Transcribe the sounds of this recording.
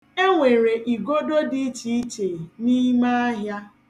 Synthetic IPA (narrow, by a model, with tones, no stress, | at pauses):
e˦ŋʷe˨ɾe˨ʔi˨ɡo˦do˦di˦t͡ʃi˨˦i˦t͡ʃe˨ni˦ma˦a˦ɦja˦